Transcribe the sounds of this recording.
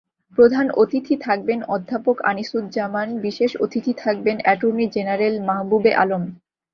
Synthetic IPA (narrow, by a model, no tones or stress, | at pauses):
pɾod̪ʱanot̪it̪ʰit̪ʰak̚benɔd̪ʱːapoka̰nisud̪d͡ʑamanbiʃeʃo̰t̪it̪ʰit̪ʰak̚benɛʈoɾnid͡ʑenaɾelmaɦbubeʔa̰lom